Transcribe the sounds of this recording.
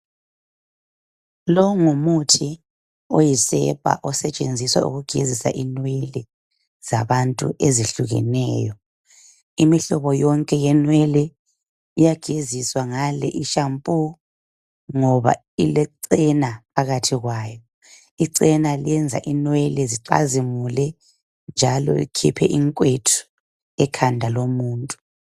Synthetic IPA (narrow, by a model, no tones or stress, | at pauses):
lɔŋumutʰi | ojisɛ̰pʼa̰ʔɔsɛt͡ʃʼend͡zʱiswa̰ṵɣuɡ̥ʱizisa̰ʔinweli | za̰βantʼṵʔeziɬuɣɛ̰nɛːjɔ | imiɬɔβɔjɔŋkʼɛjɛnweli | ijaɡ̥ʱiziswaŋalɛ̰ʔiʃampʼu | ŋɔβa̰ | ilɛǀɛnapʰaɣatʰiɣwaːjɔ | iǀɛnaliɛnd͡zʱa̰ʔinwɛlɛziǀa̰zimulɛ | nd͡ʒʱalɔ̰ḭkʰipʰɛʔiŋkʼwetʰu̥ | ɛkʰandʱalomuːntʼu̥